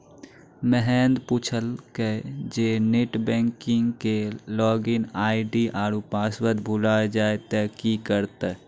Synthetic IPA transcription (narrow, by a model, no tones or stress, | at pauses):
məɦɛːnd̪puːt͡ʃʰəlked͡ʒeːneʈbɛ̃ːŋkɪŋɡkelɔːɡɪnaːiɖiʔaːɾupaːswəd̪bʱʊlaːed͡ʒaːet̪əkikəɾt̪e